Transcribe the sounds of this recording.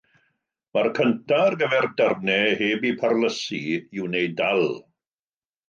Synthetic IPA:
markʰəntʰarɡəvɛrdərnɛheːbipʰarləsiɪwnejdalˠ

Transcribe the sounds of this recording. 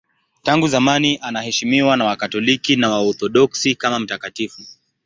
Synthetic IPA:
taŋɡuzamaniʔanahɛʃimiwanawakatɔlikinawaɔɾθɔɗɔksikamam̩takatifu

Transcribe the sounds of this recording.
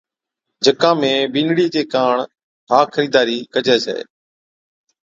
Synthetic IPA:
d͡ʒʱəkãːmẽːbɪ̃nɽiːteːkaːɳ | ɦaːkʰəɾiːd̪aːɾiːkəd͡ʒʱeːsḛː

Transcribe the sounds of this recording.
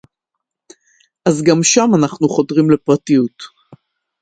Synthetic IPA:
ʔazɡamʃamanaχnuχo̞dʁimlepʁatijut

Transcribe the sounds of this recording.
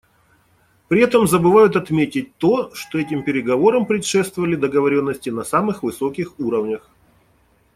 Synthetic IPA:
pɾʲɪɛt̪əmzəbɨvajʊt̪ɐt̪mʲetʲɪt̚ʲt̪o̞ʂt̪o̞ɛtʲɪmpʲɪɾʲɪɡɐvo̞ɾəmpɾʲɪtʂɛst̪vəvəlʲɪd̪əɡəvɐɾʲo̞nːəsʲtʲɪnɐsamɨxvɨso̞kʲɪxuɾəvnʲəx

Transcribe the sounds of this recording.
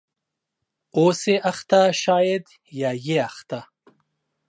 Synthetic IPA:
oːseʔaxt̪aʃaːjed̪ | jɑːjeaxt̪a

